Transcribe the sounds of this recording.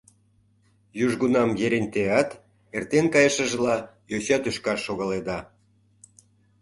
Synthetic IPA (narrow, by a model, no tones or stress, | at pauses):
juʒɣunɑmjeɾenʲt̪eɑt̪ | ert̪enkɑjə̆ʃə̆ʒlɑ | joɕɑt̪yʃkɑʃːoɣɑled̪ɑ